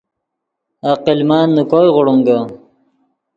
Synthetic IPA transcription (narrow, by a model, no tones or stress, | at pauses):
aqilmaːnːukoːjʁʊɽuŋɡa